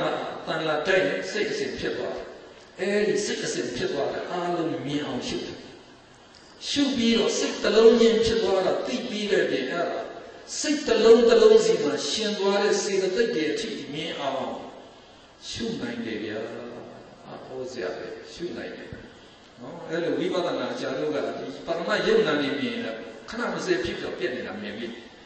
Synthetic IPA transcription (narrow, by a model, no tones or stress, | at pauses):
a̰t̪ãladaɪʔnã̰seɪʔəsɪ̰̃mpʰjɪt̪ːwa̰ɾɛ | ʔɛɾiseɪʔəsɪ̃mpʰjɪt̪ːwada̰ʔaʔlõʊ̃mjɪ̃ʔãʊ̃ʃṵdɛ | ʃṵpjiɾɔ̰seɪt̪əlõʊ̃d͡ʑɪ̃mpʰjɪt̪ːwaɾat̪ḭpiɾɛ̰ʔpjɪ̃ʔa̰daseɪʔt̪əlõʊ̃nt̪əlõʊ̃nzim̥aʃɪ̃nt̪waɾɛ̰sed̪ət̪eɪtːeʔətʰḭmɪ̃ʔãʊ̃ʔãʊ̃ | ʃṵnãɪ̃ndɛbja | ʔa̰pʰɔzeja̰bɛ̰ʃṵnãɪ̃ndɛ̰ | nɔʔɛɾilowipa̰t̪ənaʔt͡ɕado̰ɡa̰dipaðəa̰joʊʔnãnemjɪ̃a̰kʰəna̰məsɛpʰjɪpːi̥ɔ̰pjɛʔneɾamjɪ̰̃mbi